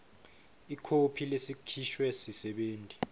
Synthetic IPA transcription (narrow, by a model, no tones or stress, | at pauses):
ikʰopʰilesikʰiʃwɛsisɛɓeːntʼi